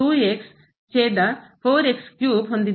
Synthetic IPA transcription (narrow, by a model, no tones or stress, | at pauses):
uːeks | t͡ɕeːɖ̪apʰoːɾekskjuːpɦond̪i